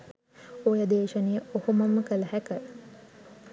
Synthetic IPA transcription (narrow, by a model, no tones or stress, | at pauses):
ojəd̪eːʃənejəohumɐməkələɦækə